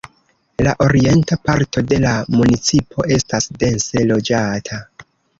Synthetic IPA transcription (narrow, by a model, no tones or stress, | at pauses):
laʔo̞ɾie̞ntapaɾto̞de̞lamunit͡sipʰo̞ʔe̞stasde̞nse̞lo̞d͡ʒatʰa